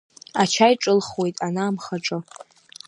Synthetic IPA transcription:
at͡ʃʰajʈ͡ʂʼɨlχwe̞jtʼanaːmχaʈ͡ʂʼɨ

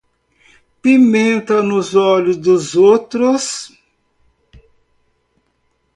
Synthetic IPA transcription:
pimẽnt̪ɐnʊzɔʎʊzd̪ʊzowt̪ɾʊs

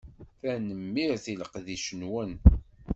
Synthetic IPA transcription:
θænəmːiɾθiləqðiʃənwən

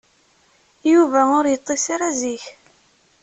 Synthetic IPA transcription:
juvæʊɾjət̪ˤːesaɾaziç

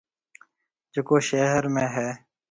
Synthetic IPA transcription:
d͡ʒɪkoːʃeːɦəɾmẽːɦɛː

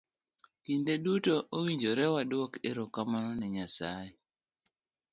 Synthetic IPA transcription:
kindedutoʔowiɲd͡ʒoɾɛwadwɔkeɾɔkːamanɔnɛɲasaje

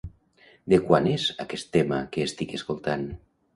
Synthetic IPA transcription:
d̪ekwanezakest̪ːemakeːst̪ikeskolˠt̪an

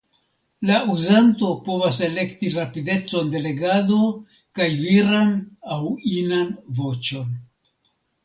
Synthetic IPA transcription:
lauzanto̞po̞vase̞le̞ktiɾapide̞t͡so̞nde̞le̞ɡado̞ | kajviɾanawinanvo̞t͡ʃo̞n

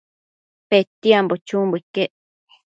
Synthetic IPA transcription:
pet̪iambot͡ʃũmbukeʔ

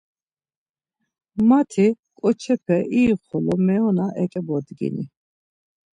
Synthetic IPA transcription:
mat̪ʰi | kʼɔt͡ʃʰɛpʰɛʔiːχɔlɔmɛɔnaʔɛkʼɛbɔd̪ɡḭnḭ

